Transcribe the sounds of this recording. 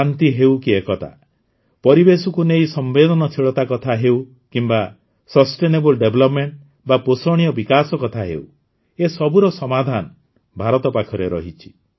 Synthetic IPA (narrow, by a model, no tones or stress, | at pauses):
ant̪iɦewkiekɔt̪ʰa̰ | pɔɾibesukunejsɔmbed̪ʱɔnɔt͡ʃʰiɭɔt̪akɔt̪ʰaɦew | kimba | sɔsʈenebɔlɖeblɔpmeɳʈ | baposɔɽ̃ijɔbikasɔkɔt̪ʰaɦḛw | esɔbuɾɔsɔmad̪ʱanɔ | bʱaɾɔt̪ɔpakʰɔɾeɾɔ̰ɦit͡ʃʰi̥